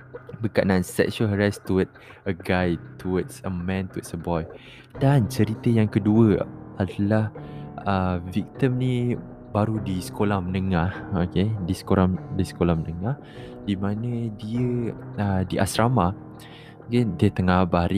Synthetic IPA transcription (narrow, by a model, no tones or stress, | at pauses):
bəkaʔnansɛ̰ksuəlɦəɾast̪uət̪̚ | əɡajt̪ʰuət̪səmɛ̃nt̪uət̪̚səbɔj | dant͡ʃəɾit̪əjaŋkəduəʔadalahəvik̚t̪imni | baɾudisə̥kolahmənəŋahokedisə̥koɾadisə̥kolahmənəŋah | dimanə̃diəədiʔasɾama | kediət̪əŋabaɾi